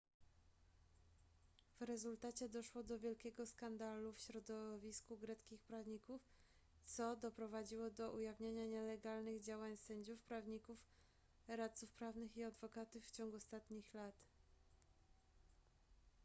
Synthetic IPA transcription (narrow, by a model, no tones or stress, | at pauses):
v̥ɾɛzult̪at͡ɕɛd̪ɔʂwɔd̪ɔvʲjɛlkʲɛɡɔskand̪alufɕɾɔd̪ɔvʲiskuɡɾɛt̪skʲixpɾavɲikuf | t̪sɔd̪ɔpɾɔvad͡ʑiwɔd̪ɔʔujavɲaɲaɲɛlɛɡalnɘɣd͡ʑawaɲsɛɲd͡ʑufpɾavɲikuf | ɾat̪t̪sufpɾavnɘxiad̪vɔkat̪ufːt͡ɕɔŋɡuɔst̪at̪ɲixlat̪